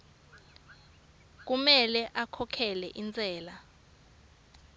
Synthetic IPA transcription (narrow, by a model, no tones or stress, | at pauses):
k̬umɛlɛʔakʰɔkʰɛlɛ̰ʔint͡sʼɛːla